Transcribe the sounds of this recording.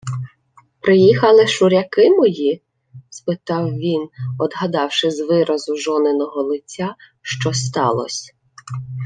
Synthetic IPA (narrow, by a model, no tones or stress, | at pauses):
pɾɪjixɐlˠɪʃʊɾʲɐkɪmɔji | spɪt̪ɑwʋʲinɔd̪ɦɐd̪ɑwʃɪzʋɪɾʔɐzʊʒɔnɪnɔɦɔlˠɪt͡sʲːaʃt͡ʃɔst̪ɑ̰lˠɔ̰sʲ